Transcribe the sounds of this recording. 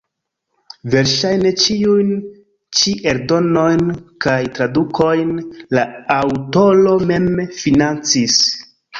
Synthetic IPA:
ve̞ɾʃajne̞t͡ʃiujn | t͡ʃiʔeɾdo̞no̞jnkajtɾadukʰo̞jnlaːwto̞lo̞me̞mfinant͡sis

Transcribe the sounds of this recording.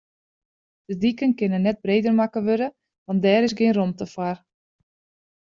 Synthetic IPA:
d̥ədikənkɪnənːɛt̚breːdərmakəʋøɾə | ʋɑntdɛːɾɪsɡɪːnromtəfar

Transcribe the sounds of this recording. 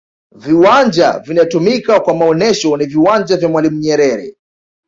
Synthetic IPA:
viwand͡ʒa̰vinaɔtumikakwamaɔnɛʃɔniviwand͡ʒavjamwalimuɲɛɾɛɾɛ̰

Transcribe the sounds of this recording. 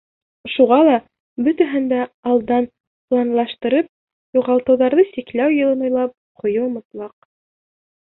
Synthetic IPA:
ʃuʁɑlˠɑ | bɵt̪æɦɘnd̪æɑlˠd̪ɑn | plˠɑnlˠɑʃt̪ɤ̆ɾɤp̚ | juʁɑlˠt̪ɤ̆wðɑɾðɤsiklæwjɤ̆lˠɤnŏjlˠɑp̚qʰŏjɤŏmɤ̆t̪lˠɑq̚

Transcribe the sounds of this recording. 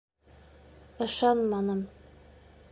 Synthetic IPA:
ɤ̆ʃɑnmɑnɤm

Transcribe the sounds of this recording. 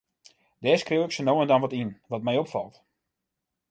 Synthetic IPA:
d̥ɛːskrewɪksənoːəndɔnʋɔtinʋɔt̚mɛjopfɑlˠt

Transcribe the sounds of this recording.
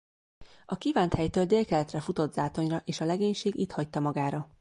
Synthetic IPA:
ɒkivaːnt̪hɛjt̪øːld̪eːlkɛlɛt̪rɛfut̪o̞d̪zaːt̪o̞ɲrɒʔeːʃɒlɛɡeːɲʃeːɡit̪hɒc̚t̪ɒmɒɡaːɾɒ

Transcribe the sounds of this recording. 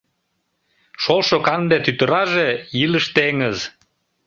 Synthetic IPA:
ʃolʃokɑnd̪et̪yt̪əɾɑʒejiləʃt̪eŋəz

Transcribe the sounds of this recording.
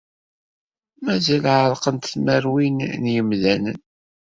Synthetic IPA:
mæzælʕəɾˤqənt̪θməɾwinnjəmðænən

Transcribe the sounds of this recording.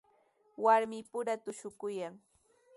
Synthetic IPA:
waɾmɪpʊɾat̪ʊʃʊkʊjaŋ

